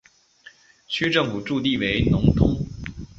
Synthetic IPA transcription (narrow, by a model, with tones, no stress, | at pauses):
t͡ɕʰy˥ʈ͡ʂɤ˥˩ŋfu˨˩ʈ͡ʂu˥˧t̪i˥˩we˧˥ɪnʊ˧˥ŋt̪ʰʊ˥ŋ